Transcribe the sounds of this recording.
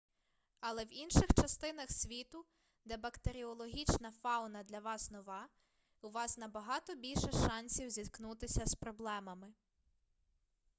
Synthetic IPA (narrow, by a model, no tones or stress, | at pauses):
ɐlˠɛwinʃɪxt͡ʃɐst̪ɪnɐxsʲʋʲit̪ʊ | d̪ɛbɐkt̪eɾʲiɔlˠɔɦʲit͡ʃnɐfɑwnɐd̪lʲɐʋɑsnɔʋɑ | uʋɑsnɐbɐɦɑt̪ɔbʲilʲʃɛʃɑnʲsʲiwzʲid̪knut̪ɪsʲɐspɾɔblˠɛmɐmɪ